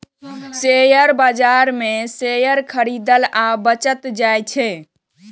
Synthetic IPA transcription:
sejəɾbad͡ʒaɾmesejəɾkʰəɾid̪əlabət͡ʃət̪d͡ʒajt͡ʃʰɛ

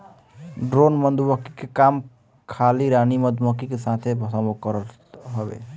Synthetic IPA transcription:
ɖɾonmənd̪ubəki̥kekam | kʰaliɾaniməd̪məkikesat̪ʰebʱəsəmokəɾəl | ɦəbḛ

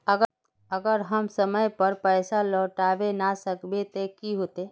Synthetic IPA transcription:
əɡə | əɡəɾɦəmsəməjpəɾpəɪsalɔːʈaːʋenasəkbet̪ekiɦot̪e

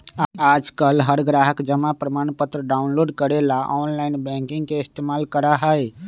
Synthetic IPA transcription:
ad͡ʒkəlɦəɾɡɾaɦəkd͡ʒəmapɾəmanpət̪ɾəɖaunloɖkəɾelaʔɔnlaɪnbɛ̃ŋkĩŋɡkeist̪emalkəɾaɦəj

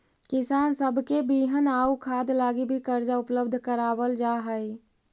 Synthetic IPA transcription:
kɪsaːnsəbʱkebiɦənaːukʰaːd̪laːɡibʱikəɾd͡ʒaʊpləbd̪ʱkəɾaːbəld͡ʒaɦəj

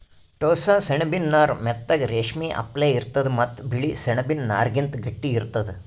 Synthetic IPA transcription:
ʈoːsaːseɳɐbinːaːɾmɛt̪ːɐɡɾeːʂmiːʔɐ̰pleːiɾt̪ɐd̪mɐt̪ːbiɭisɛɳɐbinna̰ːɾɡint̪ɡɐʈːiːɾt̪ɐd̪e

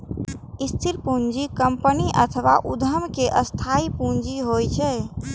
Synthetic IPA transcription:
ist̪ʰiɾpũnd͡ʒikəmpəniʔə̰t̪ʰəʋa̰ʔud̪ʱəmkeʔəst̪ʰaipũnd͡ʒiɦojt͡ʃʰɛ

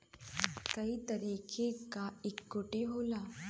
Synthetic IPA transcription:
kəɦiːt̪əɾikʰekaekːoʈiɦola

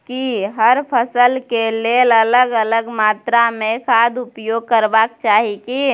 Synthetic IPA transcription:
kiɦəɾpʰəsəlkelelələɡələɡmaːt̪ɾamẽkʰaːd̪ʊpjoːɡ̚kəɾbaːkt͡ʃaːɦiki

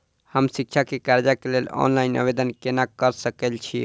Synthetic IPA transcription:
həmsik̚t͡ʃʰakekaɾd͡ʒakelelɔ̰nlainə̰bed̪ənkenakəɾsəkəlt͡ʃʰi

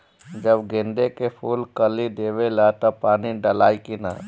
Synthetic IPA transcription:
d͡ʒəbɡɪ̃nd̪ekepʰuːlkəlid̪eːʋelat̪opaːniɖəlaːikina̰

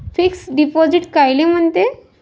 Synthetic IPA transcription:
fiksɖipɔd͡ʑiʈkajlem̤əɳt̪e

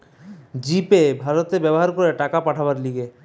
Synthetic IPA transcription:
d͡ʑipebʱaɾot̪ebɛboɦaɾkoɾeʈakapaʈʰabaɾliɡe

